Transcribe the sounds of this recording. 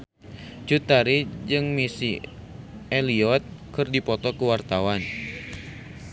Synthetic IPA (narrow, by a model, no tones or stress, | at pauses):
t͡ʃut̪aɾid͡ʒɨŋmisi | eliɔt̪̚kɨrdipɔt̪ɔkəwart̪awan